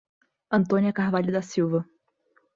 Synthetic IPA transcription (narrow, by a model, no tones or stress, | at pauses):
ɐ̃nt̪õniɐkaɦvaʎud̪ɐsiwvɐ